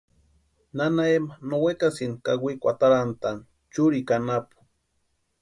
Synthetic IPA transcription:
nanaemanowekasinkaɡʷikʷat̪aɾant̪an | t͡ʃuɾikanapu̥

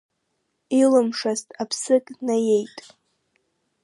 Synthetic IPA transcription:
ilɨmʂaztʼapʰsɨkʼnaje̞jtʼ

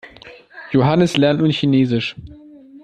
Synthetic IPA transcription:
joɦanəslɛɐntnuːɐçineːzɪʃ

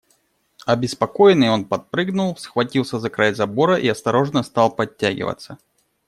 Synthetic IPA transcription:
ɐbʲɪspɐkojɪnɨjonpɐt̪̚pɾɨɡnulˠsxvɐtʲilˠsʲəzɐkɾajzɐboɾəʔiɐst̪ɐɾo̞ʐnəst̪ɑlˠpɐtʲːaɡʲɪ̰və̰t̪sːə

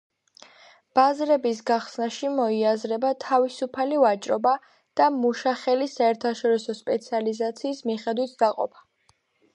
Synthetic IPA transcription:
b̥azɾɛbis̬ɡaχsnaʃimɔiazɾɛbat̪ʰavisupʰalivat͡ʃʼɾɔba | d̪̥amuʃaχɛlisaɛɾt̪ʰaʃɔɾisɔspʼɛt̪sʰializat̪sʰiːsmiχɛd̪wit̪̚ʰd̪̥aqʼɔ̰pʰḁ

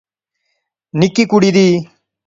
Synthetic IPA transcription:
nikikuɽid̪iː

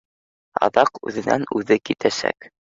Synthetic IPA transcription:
ɑ̰ðɑqʉ̰ðɘ̆næ̰nʉðɘkit̪ʰæsæ̰k

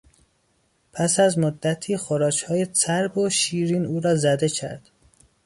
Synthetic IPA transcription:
pʰæsæzmod̪ːæt̪ʰiːxoɾɒːt͡ʃʰhɒːjesʰæɾboʃiːɾiːnuːɾɒːzæd̪e̞cʰæ̰ɾd̪̥

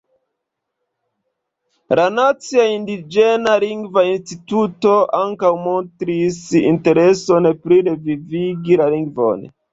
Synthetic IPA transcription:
lanat͡siaindid͡ʒe̞naliŋɡvainstituto̞ʔaŋkawmontɾisḭnte̞ɾe̞so̞npɾiɾe̞viviɡilaliŋɡvo̰n

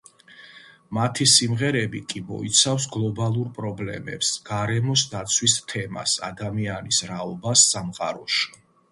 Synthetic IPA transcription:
mat̪ʰisimʁɛɾɛbikʼimɔ̰it̪sʰafsɡlˠɔbalˠuɾpʼɾɔblɛ̰mɛ̰psɡ̥aɾɛmɔsd̪at̪sʰwist̪ʰɛma̰sa̰d̪amianisɾaɔbasːamqʼa̰ɾɔʃi̥

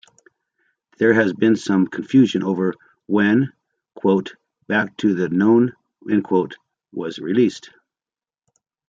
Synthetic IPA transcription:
ðə˞ɨzbɨ̃nsʌ̃mkʰɱfjʉʒɨ̃nʔoʊvə˞ | wɨ̃n | kʰw̥oʊt | b̥æk̚tʰɨðɨnõʊ̃n | ɨ̃nkʰw̥oʊt̚ | wʌzɹilist

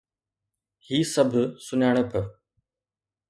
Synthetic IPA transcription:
hiːsɐbʱsʊnaːɽ̃ə̆pʰə

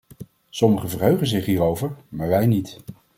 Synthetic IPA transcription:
sɔməχəvərɦøɥχənzɪχɦiːɾowvəɹmaːɹʋɛjnit

